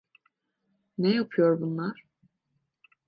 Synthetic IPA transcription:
nejapʰɯjo̞ɾbunlˠaɾ̥

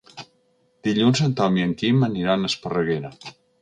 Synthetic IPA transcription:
d̪̥iʎunzənt̪ɔmiəŋkiməniɾanəspərəɣeɾə

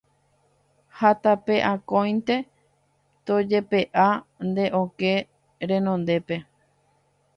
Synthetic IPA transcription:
hat̪apeʔãkõj̃nt̪e̞ | t̪od͡ʒe̞pe̞ʔand̪e̞ʔõke̞ | ɾẽ̞nõnd̪e̞pe̞

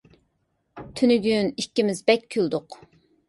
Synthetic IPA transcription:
t̪ʰynyɡʲynikʲːimɪzbɛkʲʰːøld̪ʊq

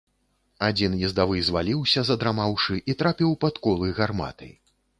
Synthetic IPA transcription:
ad͡zʲinjɛzd̪avɨjzvalʲiwsʲɐzɐd̪ɾamawʂɨʔit̪ɾapʲiwpat̪kɔlˠɨjɣarma̰t̪ɨ̰j

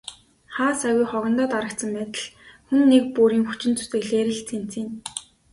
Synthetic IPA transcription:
χaːsaɣʲujχɔɣɞ̆nt̪ɔːt̪aɾə̆k̚t̪sə̆mpæːt̪ə̆ɮxunːek̚puːɾiːŋxut͡ɕɪ̆nt͡su̥t̪ɘ̆ɣɮeːɾɘ̆ɮt͡sʰen̥t͡siːn

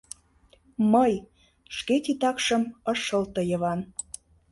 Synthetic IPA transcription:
məj | ʃket̪ʲit̪ɑkʃəməʃəlt̪əjə̆βɑn

